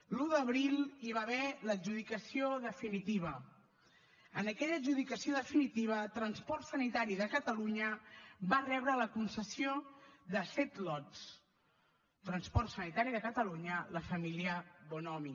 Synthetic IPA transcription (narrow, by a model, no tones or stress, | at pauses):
luðəβɾilˠiβaβɛləʒuð̞ikəsioðəfinit̪iβ̞ə | ənəkɛʎəʒuðikəsioðəfinit̪iβ̞ət̪ɾənspɔrt̪sənit̪aɾiðəkət̪əluɲəbarɛβɾələkunsəsioðəsɛt̪lɔt̪s | t̪ɾənspɔrt̪sənit̪aɾiðəkət̪əluɲələfəmiliəβonɔmi